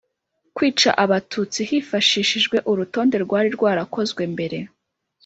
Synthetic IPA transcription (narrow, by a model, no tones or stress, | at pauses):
kwiːt͡ʃa̰ʔaβatʰuːt͡sihiːfaʃiːʃiʒɡwe̞ʔuɾuto̞ːnde̞ɾɡwaːɾiɾɡwaːɾako̞zɡwe̞mbe̞ɾe̞